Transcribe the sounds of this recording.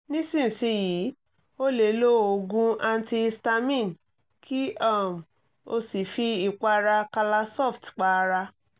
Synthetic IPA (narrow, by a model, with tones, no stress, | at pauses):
nĩ˦sĩ˦˨n̩˨si˨˦jiː˨˦ | o˦le˨lo˦o˧ɡũ˦a˧n˦ti˧sta˧mĩ˦˨n | kʰi˦a˦˨m˨ | o˧si˨fi˧i˨k͡pa˧ɾa˧ka˧la˧sɔ˦˨ftk͡pa˧ɾa˧